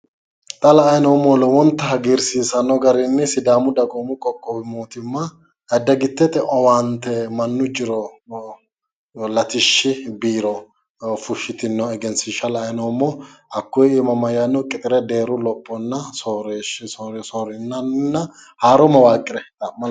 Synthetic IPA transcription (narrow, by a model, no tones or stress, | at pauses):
t̪ʼɐlɐːjnɔmɔlɛwɔnt̪ːɐɦɐɡiɾsiːsɐnːɔɡɐɾɪnːɛsɪd̪aːmʊd̪ɐɡɔmʊkʼɔkʼːɔbɪmoːt̪ɪmːɐ | ɛd̪ːɐɡɪt̪ːɛt̪ɛʔɔwaːnt̪ɛmɐnːʊd͡ʒɪɾɔ | lɐt̪ɪʃːɪbiːɾɔ | fʊʃːɪt̪ɪnːɔɛɡɛnsɪʃɐlɐjnɔmːɔhɐkːʊjɪmɐmɐjanːɔkʼɪt̪ʼɪɾɛd̪e̞ːɾʊlɔpʼːɔnːɐsoɾɛʃsoɾsɔːɾɪnːɐnnːɐ | haːɾɔmɐwaːkʼːɪɾɛt̪ɐmmɐ